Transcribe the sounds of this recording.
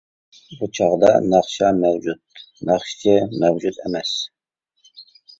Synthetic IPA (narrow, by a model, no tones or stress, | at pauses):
but͡ʃʰɑʁd̪ɑ̰nɑqʃɑmæwd͡ʒut̪̚ | næχʃt͡ʃɛmɛwd͡ʒut̪ɛmɛs